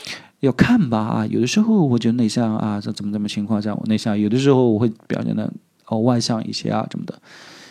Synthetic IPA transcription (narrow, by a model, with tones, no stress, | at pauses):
jɑ˥˩ʊkʰa˥˩nbɐ˩a̰˧jo̰˨˩d̪ə˦ʂɻ̩˧˥xo˥˩ʊwɔ˨˩t͡ɕɥɛ˧˥d̪ə˧ne˥˩ɪɕjɑ˥˩ŋa̰˧˥˩t͡sə˨˩mə˦t͡sə˨˩mə˨t͡ɕʰi˧˥ŋkʰwɑ˥˧ŋɕ̬jɑ˥˩wɔ̰˨˩ne˥˩ɪɕjɑ˥˩ŋjo˨˩d̪ə˦ʂ̬ɻ̩˧˥xo˥˧ʊwɔ˨˩xwe˥˩ɪpi˨˩ʊɕjɛ̰˥˩nd̪ə̰˧˩ | ə˧wa˥˧ɪɕjɑ˥˧ŋḭ˥˩ɕjɛ̰˥a̰˨˩ʂə̰˧˥nmə˧d̪ə˩